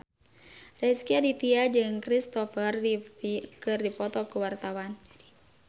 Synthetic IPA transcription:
rɛskiadit̪iad͡ʒɨŋkɾist̪ɔfər | kɨrdipɔt̪ɔkuwart̪awan

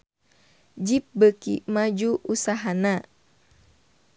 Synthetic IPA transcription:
d͡ʒip̚bəkḭmad͡ʒuʔusaɦana

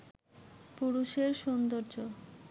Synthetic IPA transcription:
puɾuʃeɾʃond̪oɾd͡ʑo

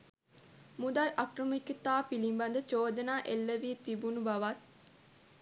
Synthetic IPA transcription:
mud̪alʔɐkrəmikət̪aːpilimbɐnd̪ət͡ʃoːd̪ənaːʔelːəʋiːt̪ibunubɐʋat̪̚

